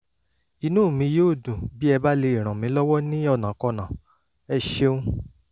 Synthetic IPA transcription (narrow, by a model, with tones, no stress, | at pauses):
i˧nũ˦˨mĩ˧˦jo˦˨dũ˨bi˦ɛ˧ba˦le˧i˨ɾ̃ã˨mĩ˨˦lɔ˦wɔ˦nĩ˦ɔ˦˨nã˨˦kɔ˧˨nã˨ | ɛ˧ʃe˧ũ˦